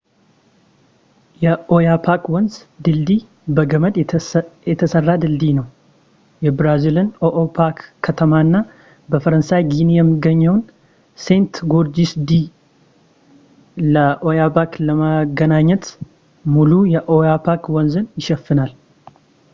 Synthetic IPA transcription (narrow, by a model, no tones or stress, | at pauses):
jɛʔojapʰakwɔnz | d̪ɨld̪i | bəɡəməd̪jɛt̪ʰəsərːad̪ɨld̪inəw | jɛbɾazilɨnoʔopʰakʰːət̪ʰəmaɨnːa | bəfəɾənsajɡinijɛmːɨɡːəɲːəwn | se̞nt̪ɡoɾd͡ʒisd̪i | ləʔojabakləmaɡənaɲːɛt̪ | mulujɛʔojapʰakwɔnzɨnjɪʃɛfːɨnal